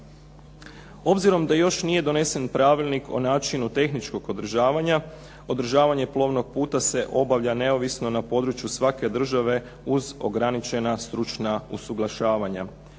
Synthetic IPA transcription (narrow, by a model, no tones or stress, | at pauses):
o̞bziɾo̞md̪ajo̞ʃnije̞d̪o̞ne̞se̞npɾaʋilnikʰo̞̰naːt͡ʃinut̪e̞xnit͡ʃko̞ɡo̞d̪r̩ʒaːʋaɲa | o̞d̪r̩ʒaːʋaɲe̞plˠo̞ːʋno̞ɡ̚puːt̪ase̞ʔo̞baʋʎane̞o̞ʋisno̞napo̞ːd̪ɾut͡ʃjusʋake̞d̪r̩ʒaʋe̞ | uzo̞̰ɡɾanit͡ʃe̞nast̪ɾut͡ʃnausuɡlˠaʃaːʋaɲa